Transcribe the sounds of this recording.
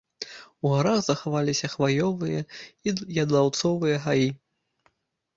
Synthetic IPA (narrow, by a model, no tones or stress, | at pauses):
uɣaɾaɣzɐxavalʲisʲɐxvajɔvɨjɐjɐd̪lˠawt̪sɔvɨjɐɦaji